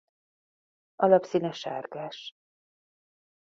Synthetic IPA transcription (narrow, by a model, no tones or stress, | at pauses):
ʔɒlɒpsiːnɛʃa̰ːrkaːʃ